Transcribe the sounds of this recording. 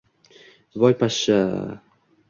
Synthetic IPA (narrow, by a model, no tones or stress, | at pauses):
vɔjpaʃa